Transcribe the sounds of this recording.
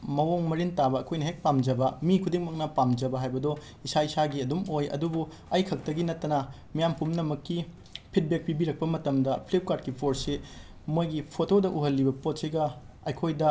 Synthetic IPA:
mɐwoŋmɐɾintabɐɐkʰojnɐɦek̚pamd͡ʒɐbɐmikʰudiŋmɐk̚nɐpamd͡ʒɐbɐɦajbɐdo | isaisaɡiɐdumojɐ̰dubu | ɐjkʰɐk̚tɐɡinɐtːɐnɐ | mijampumnɐmɐkːi | pʰit̚bek̚pibiɾɐk̚pɐmɐtɐmdɐpʰlep̚kad̚kipʰoɾsi | mojɡipʰotodɐʔuɦɐlːibɐpot̚siɡɐ | ɐjkʰojdɐ

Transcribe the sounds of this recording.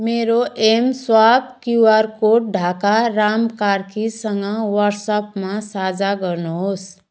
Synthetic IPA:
meɾoʔemswabkjuaɾkoʈ̚ɖʱakaɾamkaɾkisəŋɡʌ̃wəɾsəpmãsad͡ʒaɡəɾnoɦos

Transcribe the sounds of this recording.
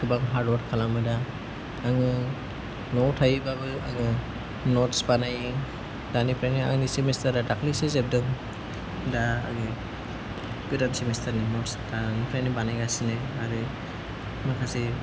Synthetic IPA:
kʰɯbaŋɦaɾdwɔɾtkʰalamɯdaː | ŋɯ | nɔwtʰajbabɯaŋɯ | nɔtsbanajɯ | danipʰɾajnia̰ŋɯnisimɛstaɾdadakʰlisesɛb̚dɯŋ | daa̰ŋɯ | bidamsimestaninɔtsdaŋipʰɾajnibanajɡasinɯaɾɯ | makʰasi

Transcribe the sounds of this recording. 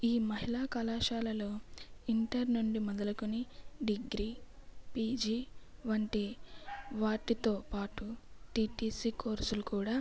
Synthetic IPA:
iːmɐɦilaːkɐlaːʃaːlɐlo̞ːiɳʈɐɾnuɳɖimɐd̪ɐlɐkuniɖiɡɾiːpiːd͡ʒiːʋɐɳʈi | ʋaːʈit̪oːpaːʈuʈiːʈiːsiːkoːɾsulukuːɽaː

